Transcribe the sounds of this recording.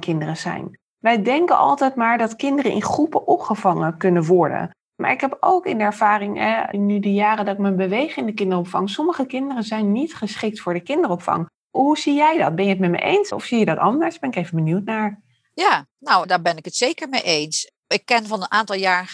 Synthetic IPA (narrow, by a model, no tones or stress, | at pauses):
kɪndərəzɛ̰jn | ʋɛjdɛŋkənʔɑ̰lˠtɛjtmaːɹdɑtkɪndərəʔɪ̰nχrupəʔɔpχəvɑŋəkɵnənʋɔɹdə̰n | mʔa̰ːɹɪkɦɛpo̰wkɪndəɛɹv̥aːrɪŋɛnːydəjaːrədɑtɪk̚mənbəʋejχɪndəkɪndərɔpfɑŋsɔməχəkɪndərəzɛjnːitχəsχɪk̚tfʊːɹdəkɪndərɔpfɑ̰ŋ | ɦuzijɛjdɑt̚bɛnjəətmɛtmɛ̰ʔejnsɔ̰fsijədɑtɑndəɹsbɛnɪkejvənbənywtnaːɹ | ja | nawdaːɹbɛnɪkətsejkəɹmejʔejns | ɪkːɛnvɑnənaːntɑlˠjaːɹ